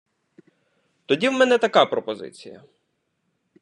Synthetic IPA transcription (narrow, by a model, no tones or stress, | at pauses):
t̪ɔdʲiwmɛnɛt̪ɐkɑpɾɔpɔzɪ̰t͡sʲijɐ̰